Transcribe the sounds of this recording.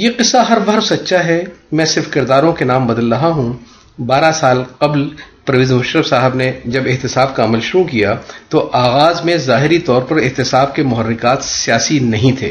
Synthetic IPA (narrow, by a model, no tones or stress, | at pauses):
jeqɪsːaɦɐɾʋɐɾsɐtːʃʰaɦɛmɛ̃ːsɪɾfkɪɾd̪aːɾõkenaːmbɐd̪əlɾɐɦaɦũ | baːɾasaːlqɐblpɐɾɐʋiːzɦʊʃɾəfsaːɦɪbned͡ʒɐbɪɦt̪ɪsaːbkaɐməlʃʊɾukijat̪oʔaːɣaːzmẽzaːɦɪɾit̪ɔːɾpɐɾɪɦt̪ɪsaːb̚kemʊɦərːɪkaːt̪sijaːsinɐɦĩt̪ʰḛː